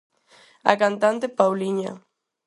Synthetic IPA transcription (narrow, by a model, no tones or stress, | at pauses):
a̰kant̪ant̪epawliɲa̰